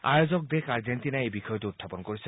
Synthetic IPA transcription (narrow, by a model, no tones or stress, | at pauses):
a̰jozɔk̚d̪ekaɹzentinaejbixɔjɔteut̪̚ʰapɔnkoɹisʰe